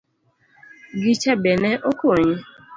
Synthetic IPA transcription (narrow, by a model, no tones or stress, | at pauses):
ɡit͡ʃabeneʔokooɲe